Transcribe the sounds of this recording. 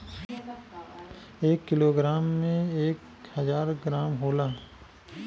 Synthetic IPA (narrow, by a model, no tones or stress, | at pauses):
eːkːɪloːɡɾaːmːẽeːk | həzaːɾɡɾaːmɦoːlaː